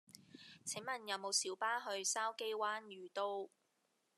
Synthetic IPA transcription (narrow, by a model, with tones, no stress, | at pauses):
t͡sʰɪ˨˥ŋmɐ˨˩njɐ˨˧wmo˨˧wsiː˨˥wpaː˥ɦɵ˧ɥsaː˥wke˥jwaː˥njyː˨˩t̪o˥w